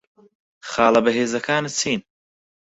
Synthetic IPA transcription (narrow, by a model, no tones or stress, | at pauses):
xaːlɐbɐɦeːzɐkʰaːnɨt͡sʰiːn